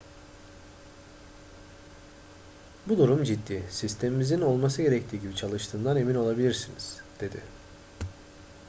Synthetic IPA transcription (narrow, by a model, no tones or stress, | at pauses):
bud̪uɾumd͡ʒid̪ːiːsist̪ʰe̞mimizino̞lˠmas̬ɯɟe̞ɾɛct̪ʰiːɟibit͡ʃʰalˠɯʃt̪ʰɯːnd̪ane̞mino̞lˠabilʲiɾsiniz̥d̪̥e̞d̪ɪ̰